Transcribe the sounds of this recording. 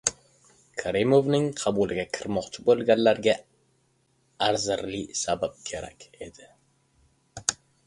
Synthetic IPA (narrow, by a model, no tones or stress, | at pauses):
kʰaɾimovnɪŋqʰɑbulɪɡʲakʲʰɪɾmɒqt͡ʃʰɪbolˠɡʲanlaɾɡʲa | aɾzɪɾlɪsabap̚kʲʰe̞ɾa̰kʲe̞d̪ɪ